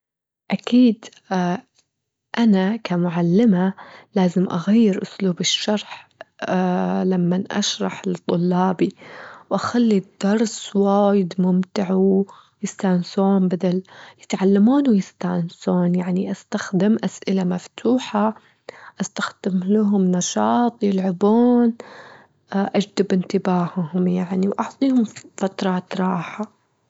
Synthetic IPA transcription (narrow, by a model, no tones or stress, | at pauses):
ʔakiːd̪ | ʔanakʰamʊʕalːɪmalaːzɪmʔaɣajːɪɾʔʊsluːbɪʃːɑɾˤħ | lamːanʔa̰ʃɾˤɑħlɪt̪ˤːʊlːɑːbiwʔaxalːid̪̥ːɑɾˤswaːjɪd̪mʊmt̪ɪʕw | jɪst̪ansoːnbad̪aljɪt̪ʕalːamuːnwjɪst̪ansuːnjaʕniʔast̪axd̪ɪmʔasʔɪlamaft̪ʰuːħa | ʔast̪axd̪̥ɪmlaɦʊmnɑʃɑːt̪ˤjɪlʕabuːn | ʔad͡ʒd̪ɪbʔɪnt̪ɪbaːhhʊmjaʕniwʔɑʕt̪ˤiːhʊmfat̪ɾˤɑːt̪ɾˤɑːħa